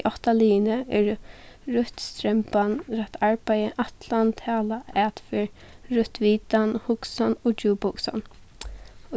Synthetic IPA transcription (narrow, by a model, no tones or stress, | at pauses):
ʔɔht̪aliːnəɛɹ | ɾʊt̪st̪ɾɛmpanɾɛt̪ʰaɹpajəʔat̪ʰlant̪ʰaːlaɛːt̪fɪɹ | ɹʊt̪ʋiːt̪anhʊksanɔd͡ʒuːpʊksa̰n